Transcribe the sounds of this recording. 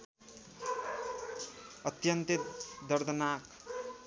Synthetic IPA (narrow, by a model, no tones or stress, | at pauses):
ʌt̪jʌnt̪id̪ʌɾd̪ənak